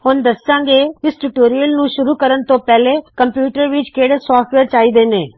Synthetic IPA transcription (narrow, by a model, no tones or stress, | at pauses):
hʊnd̪əsãːŋɡeːɪsʈuʈoːɾijəlnũːʃʊɾuːkəɾənt̪õːpɛːleːkəmpjuːʈəɾʋɪt͡ʃkeːɽeːsaːfʈʋeːɾt͡ʃaːiːd̪eːneː